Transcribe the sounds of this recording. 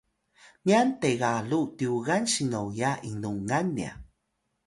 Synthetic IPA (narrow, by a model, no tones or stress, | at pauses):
niant̪eɣalut̪iuɣanɕiŋowjainuŋanːia̰